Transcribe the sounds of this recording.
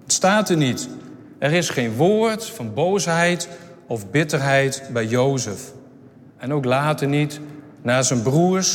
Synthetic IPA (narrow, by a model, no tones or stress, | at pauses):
staːtənit | ɛɾɪsχeːnʋoːəɹtfɑnbowsɦɛjtɔfbɪtərɦɛjtbɛjjowzəf | ɛnowklaːtənit | naːzənbruəɹs